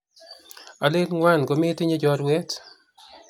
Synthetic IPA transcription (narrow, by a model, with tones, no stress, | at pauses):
a˨lɪ˦tŋwa˦nɡo˨mɪ˦tɪ˦ɲe˦d͡ʒɔɾwɛ˦t